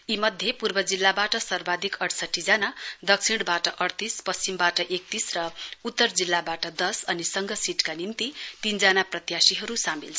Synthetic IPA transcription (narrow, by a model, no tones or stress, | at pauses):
imʌd̪ʱjepurbʌd͡zilːabaʈʌsʌrbad̪ʱikʌɽsʌʈːid͡zanad̪ʌk̚sʰiɽ̃baʈʌʔʌɽt̪ispʌst͡simbaʈʌʔek̚t̪isrʌut̪ːʌrd͡zilːabaʈʌd̪ʌsʌnisʌŋɡʌsiʈkanint̪it̪ind͡zanaprʌt̪jasiɦʌɾusamilt͡sʰ